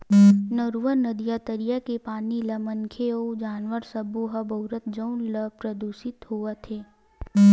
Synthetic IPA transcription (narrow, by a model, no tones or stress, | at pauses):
nəɾuʋəɾnəd̪ijat̪əɾijakepaːnilɐmə̃ŋkʰeod͡ʒaːnʋəɾsəbuɦəbʱɐʊɾət̪d͡ʒəʊnləpɾəd̪uːsɪt̪ɦuət̪ʰeː